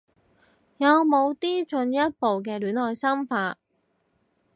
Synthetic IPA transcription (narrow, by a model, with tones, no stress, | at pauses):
jɐ˨˧wmo˨˧wt̪iː˥t͡ʃɵ˧njɐ˥t̚po˨wk̬ɛː˧lyː˨˥nlɔː˨˧jsɐ˥mfaː˧t̚